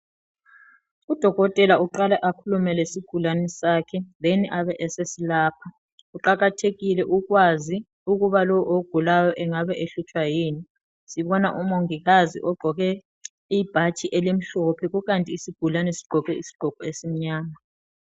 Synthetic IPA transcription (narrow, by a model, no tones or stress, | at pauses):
ud̥ʱɔɣɔtʼɛlauǃalɛʔakʰulumɛlesiɡ̥ʱulanɛsaːkʰɛðɛniʔaβɛʔɛsesilaːpʰa | uǃaɣatʰeɣilɛʔuɣwazi | uɣuβalɔwʔoɡ̥ʱulajɔʔɛŋaβɛʔeɬut͡ʃʼwajeːni | siβɔnaʔumoŋiɣazḭʔɔɡ͡ǃʱɔɣɛ | ib̥ʱat͡ʃʼiʔɛlem̩ɬɔpʰɛɣuɣantʼiːsiɡ̥ʱulanɛsi̥ɡ͡ǃ̥ʱɔɣɛisi̥ɡ͡ǃ̥ʱɔɡ̥ʱɔesim̩ɲaːma